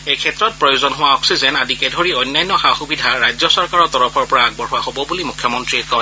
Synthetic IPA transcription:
ejkʰɛtɹɔt̚pɹɔjozɔnɦʊwaɔksizɛnadikɛdʱoɹiɔjnːajnːɔxaxubidʱaɹajzɔsɔɹkaɹɔtɔɹɔpʰɔɹpɔɹaaɡ̚bɔɹɦʊwahobɔbulimukʰjɔmɔntɹiɛkɔ

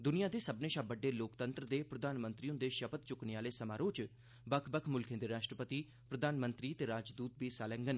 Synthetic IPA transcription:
d̪ʊnijaːd̪eːsəbneːʃabəɖːeːloːkt̪ənt̪ɾəd̪eːpɾəd̪ʱaːnmə̃nt̪ɾiːʊ̃nd̪eːʃəpət̪t͡ʃʊkneːaːleːsəmaːɾoːt͡ʃ | bəkʰbəkʰmʊlkʰẽd̪eːɾaːʃʈɾəpət̪iː | pɾəd̪aːnmənt̪ɾiːt̪eːɾaːd͡ʒd̪uːt̪̚biːsaːlɛ̃ːŋɡən

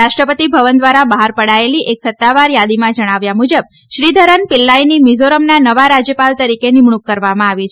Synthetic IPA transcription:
aʃʈɾəpət̪ibʱəʋənd̪ʋaɾabəɦaɾpəɽaeliʔeksət̪ːaʋaɾjad̪imãd͡ʒəɽ̃aʋjamud͡ʒəb̚ | ʃɾid̪ʱəɾənpɪlːajnimizoɾəmnanəʋaɾad͡ʒjəpalt̪əɾikenɪmɳukːəɾʋamãaʋit͡ʃʰ

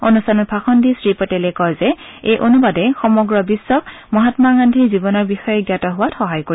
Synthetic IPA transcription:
onustʰanɔt̚pʰaxɔndisɹipɔtɛlɛkɔjzɛejʔonubadɛxɔmɔɡɹɔbisːɔkmɔɦatmaŋandʱizibɔnɔɹbixɔjɛɡjatɔɦʊwatxɔɦajkoɹi

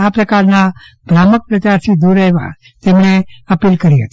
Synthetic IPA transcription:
apɾəkaɾna | bɾamək̚pɾət͡ʃ̪aɾt̪ʰid̪uɾɛɦʋa̰ | t̪emɳ̃eəpiːlkəɾiɦət̪i̥

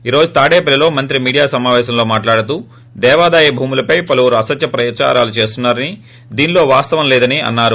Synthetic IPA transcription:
iːɾo̞ːd͡ʒut̪aːɽeːpɐlilo̞ːmɐnt̪ɾimiːɽijaːsɐmaːʋɛːʃɐmlo̞ːmaːʈlaːɽut̪̬uː | d̪ɛːʋaːd̪aːjɐbʱuːmulɐpɐjpɐluʋuɾuɐsɐt̪jɐpɾɐjɐt͡ʃa̰ːɾa̰ːlut͡ʃe̞ːst̪unːaːɾɐni | d̪iːnlo̞ːʋaːst̪ɐʋɐmlɛːd̪ɐniɐ̰nːaːɾu

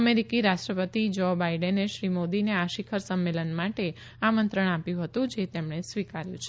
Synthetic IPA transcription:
əmeɾikiɾaʃʈɾəpət̪id͡ʒobaiɖənːeʃɾimod̪ineaʃikʰəɾsəmːelənmaʈe | amənt̪ɾəɳ̃apjũɦət̪ũd͡ʒet̪emɳesʋikaɾjũt͡ʃʰe

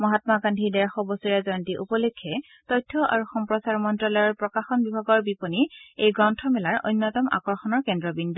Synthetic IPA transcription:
mɔɦatmakandʱidɛɹaxɔbɔsuɹiazɔjantiʔupɔlekʰːɛ | tɔjtʰːɔʔa̰ɹuxɔmpɹɔsaɹmɔntɹɔlɔjɔɹpɹɔkaxɔnbibʱaɡɔɹbiponiejɡɹɔntʰɔmɛlaɹo̰jnːɔtɔma̰kɔɹxɔnɔɹkɛndɹɔbindu

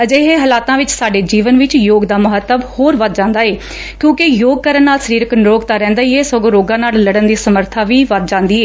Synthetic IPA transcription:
əd͡ʒeːɦeːɦəlaːt̪ãːʋɪt͡ʃsaːɖeːd͡ʒiːʋənʋɪt͡ʃjoːɡd̪aːməɦət̪ːəbhoːɾʋəd̪̚d͡ʒãːnd̪aːeː | kjõːkɪjoːɡ̚kəɾənːaːlsəɾiːɾəknɾoːɡt̪aːɾɛ̃ːnd̪aːiːeːsoɡoɾoːɡãːnaːlləɽənd̪iːsəməɾt̪ʰaːʋiːʋət̪̚d͡ʒãːnd̪iːeː

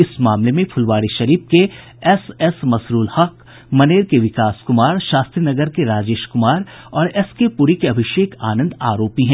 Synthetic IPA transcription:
ɪsmaːmlemẽpʰʊlʋaːɽiʃɐɾiːp̚ke | ɛsɛsmɐsɾuːlhɐk | mɐneːɾkeʋɪkaːskʊmaːɾʃaːst̪ɾinɐɡəɾkeɾaːd͡ʒeːʃkʊmaːɾ | ɔːɾɛskepuɾikeɐbʱɪʃeːkaːnə̃nd̪aːɾoːpiɦɛ̃

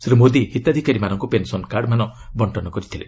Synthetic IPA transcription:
sɾimod̪ihit̪ad̪ʱikaɾimanɔŋkupensɔnkaɾɖmanɔbɔɳʈɔnɔkɔɾit̪ʰilḛ

